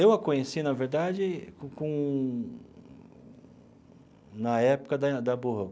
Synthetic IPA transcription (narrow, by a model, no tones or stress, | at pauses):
ewɐkõɲesinɐveɾd̪ad͡ʒɪkkõ | nɐɛpʊ̥kɐd̪ɐd̪ɐboɦɐɡ